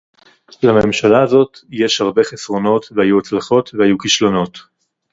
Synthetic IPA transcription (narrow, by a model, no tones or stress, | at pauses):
lamemʃalaːzo̞tjeʃhaʁbe̞χesʁo̞no̞t̪veajuat͡slaχo̞tvehajukiʃlo̞no̞t